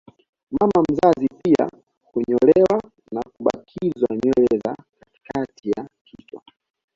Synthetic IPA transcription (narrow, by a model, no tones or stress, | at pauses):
mamam̩zazipia̰ | kuɲɔlɛwa | nakuɓa̰kʰizwaɲwɛlɛzakati̥katʰijakʰit͡ʃwa̰